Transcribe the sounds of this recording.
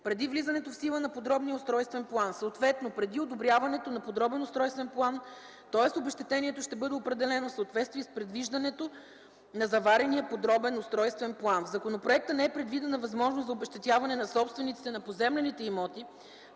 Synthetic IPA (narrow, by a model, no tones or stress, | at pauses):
pɾɛd̪ivlizɐnɛt̪ofsilˠənɐpod̪ɾɔbnijəost̪ɾɔjst̪vɛnplˠansəot̪vɛt̪nopɾɛd̪iod̪obɾʲjavɐnɛt̪onɐpod̪ɾɔbɛnost̪ɾɔjst̪vɛnplˠan | t̪ɔɛsobɛʃt̪ɛt̪ɛniɛt̪oʃt̪ɛbɤd̪ɛopɾɛd̪ɛlɛnofsɐot̪vɛt̪st̪viɛspɾɛd̪viʒd̪ɐnɛt̪o | nɐzɐvaɾɛnijəpod̪ɾɔbɛnost̪ɾɔjst̪vɛnplˠanvzɐkonopɾoɛk̚t̪ənɛɛpɾɛd̪vid̪ɛnɐvɐzmɔʒnoszɐobɛʃt̪ɛt̪javɐnɛnɐsɔpst̪vɛnit̪si̥t̪ɛnɐpozɛmlɛnit̪ɛimɔt̪i